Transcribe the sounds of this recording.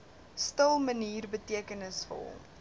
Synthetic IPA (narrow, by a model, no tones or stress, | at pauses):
stəlˠməniːrbətiəkənəsfə̰rɦɔ̰m